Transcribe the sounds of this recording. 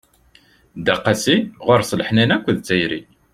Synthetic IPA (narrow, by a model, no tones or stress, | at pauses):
d̪æqːæsiʁoɾslħnænækʷːðt͡sːæjɾḭ